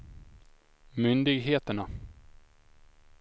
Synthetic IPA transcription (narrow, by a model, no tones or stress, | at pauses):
mʏnd̪ɪɡɦeːt̪əɳa